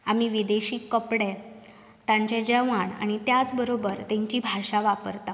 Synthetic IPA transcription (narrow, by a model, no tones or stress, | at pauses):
amiːʋid̪eɕiːkːəpɽe | t̪ãɲt͡ɕɛd͡ʑəʋaɳa̰ɽ̃it̪jat͡sbəɾobəɾt̪ẽɲt͡ɕiːbʱaɕaʋapəɾt̪a